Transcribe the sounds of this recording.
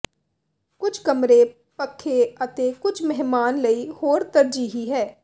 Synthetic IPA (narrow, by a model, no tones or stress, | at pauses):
kʊt͡ʃʰkəmɾeː | pəkʰːeːət̪eːkʊt͡ʃʰmɛɦmaːnləiːhoːɾt̪əɾd͡ʒiːɦiːɦɛː